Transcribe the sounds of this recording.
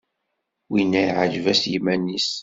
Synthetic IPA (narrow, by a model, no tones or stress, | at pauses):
winːæjʕəʒvæsjimænːis